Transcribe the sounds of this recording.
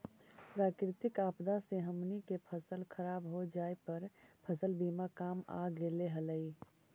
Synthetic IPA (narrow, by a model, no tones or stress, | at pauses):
pɾaːkɾɪt̪ɪkaːpd̪aseɦəmnikepʰəsəlkʰəɾaːbɦod͡ʒaːepəɾpʰəsəlbiːmakaːma̰ɡeleɦələi